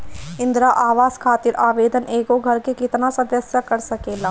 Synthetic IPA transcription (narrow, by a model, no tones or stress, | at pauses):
ɪ̃nd̪ɾaʔaːʋaːzkʰaːt̪ɪɾaːʋeːd̪ənʔeːkoɡʱɐɾkekɪt̪nasɐd̪əsjakɐɾsɐkeːlaː